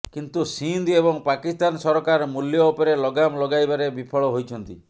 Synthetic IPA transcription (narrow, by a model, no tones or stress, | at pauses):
kint̪usind̪ebɔŋpakist̪ansɔɾɔkaɾmuljɔːpɔɾelɔɡamlɔɡajbaɾebipʰɔɭɔɦojt͡ʃʰɔnt̪i